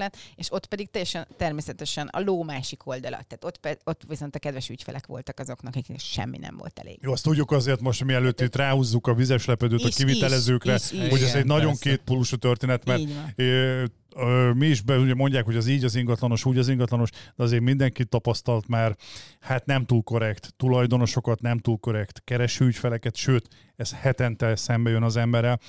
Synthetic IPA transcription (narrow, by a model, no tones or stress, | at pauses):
lɛneʃo̞t̪pɛd̪ik̚t̪ɛjːɛʃɛnt̪ɛrmeːsɛt̪ɛʃɛnɒ̰loːmaːʃikʰo̞ld̪ɒlɒ̰t̪ːaːt̪o̞t̪pɛo̞t̪ːʋiso̞nt̪ɒkɛd̪vʋɛʃycfɛ̰lʔɛ̰kʋo̞̰lt̪ɒkɒzo̞knɒkiknʃɛ̰mːḭnɛ̰mvo̰lt̪ɛ̰lḛːɡjoːɒst̪uɟːukɒzeːrt̪mo̞ʃt̪miɛløːt̪ːit̪raːhuːzːukɒvizɛʃlɛpɛd̪øːt̪ɒkivit̪ɛlɛzøːkrɛho̞ɟɛzɛɟnɒɟo̞ŋkeːt̪̚puluʃut̪ørt̪eːnɛt̪mɛr | miːʃbɛuɟɛmo̞ɲɟaːkho̞ɟɛziːɟɒziŋɡɒt̪lɒno̞ʃuːɟɒziŋɡɒt̪lɒno̞ʃd̪ɛɒzeːɾmind̪ɛŋkit̪ːɒpɒst̪ɒlt̪maːrhat̪nɛmt̪uːlko̞ɾɛkt̪ːulɒjd̪o̞no̞ʃo̞kɒt̪nɛmt̪uːlko̞ɾɛkt̪kɛɾɛʃyːcfɛlɛkɛt̪ʃøːt̪ | ɛshɛt̪ɛnt̪ɛlsɛmbɛjønɒzɛmbɛɾɛl